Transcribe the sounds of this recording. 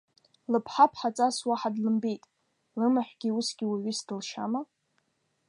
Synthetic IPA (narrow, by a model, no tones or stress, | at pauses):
lɨpʰħapʰħat͡sʼaswaħadlɨmbe̞jtʼ | lɨmaħʷɡ̥ʲiusɡʲiwaʕʷisdɨlʃa̰ma